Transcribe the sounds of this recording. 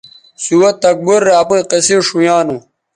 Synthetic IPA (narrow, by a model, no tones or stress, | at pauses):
suwɐt̪ːɐk̚buɾːaːpĩqesiʂujaːnu